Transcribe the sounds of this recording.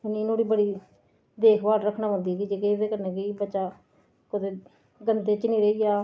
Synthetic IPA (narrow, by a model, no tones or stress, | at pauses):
ɪniːnoːɽiːbəɽiː | d̪eːkʰbaːɾɾəkʰnaːɦə̃nd̪iːkɪd͡ʒeːked̪eːkəɾnẽːkiːbətːʃaː | kʊt̪eː | ɡənt̪eːt͡ʃɪniːɾəiːɡaː